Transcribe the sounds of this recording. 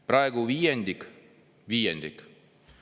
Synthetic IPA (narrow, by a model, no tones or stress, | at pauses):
pɾɑeɡuʋiːend̪ik | ʋiːend̪ik